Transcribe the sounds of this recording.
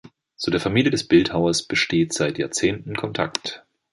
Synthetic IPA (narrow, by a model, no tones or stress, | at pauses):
t͡sudeːɐfamiːljədɛsb̥ɪlthaʊɐsb̥əʃteːtz̥aɪtja̰ːɐt͡seːntn̩kʰɔntʰa̰kt